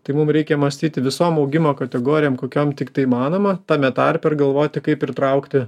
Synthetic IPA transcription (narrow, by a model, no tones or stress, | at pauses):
t̪ɐɪmumɾʲɛɪkʲɛmɐsʲt̪ʲiːt̪ʲɪʋʲɪsoːmɒʊɡʲɪmoːkɐt̪ʲɛɡoːɾʲɪjoːmkoːkʲoːmt̪ʲɪkt̪ɐɪmɑːnoːmɐt̪ɑːmʲɛt̪ɑːɾʲpʲɛɪrɡɐlˠʋoːt̪ʲɪkɐɪpɪrt̪ɾɐʊkt̪ʲɪ